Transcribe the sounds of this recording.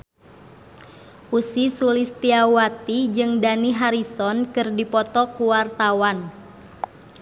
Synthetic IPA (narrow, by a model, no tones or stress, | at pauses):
ʔusisulist̪iawat̪id͡ʒɨŋdaniɦaɾisɔnkɨrdipɔt̪ɔkuwart̪awan